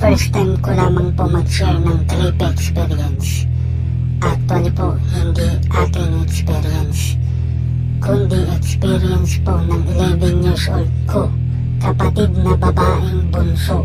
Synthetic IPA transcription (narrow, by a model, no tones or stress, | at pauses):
fɛɹst̪ajmkolaːmɐŋpomɐɡʃɛɹnɐŋt̪ɾipɛɛkspɛɾiɛns | ʔak̚t̪wɐlipoʔhɪnd̪i | ʔakɪnɛkspɛɾiɛns | kʰʊnd̪ɪʔɛkspiɾiɛnsponɐŋɪlɛvɛŋjuɹsʔo̰ld̪̚kʰo | kɐpɐt̪id̪nɐbɐbaːʔɪŋbʊnsoʔ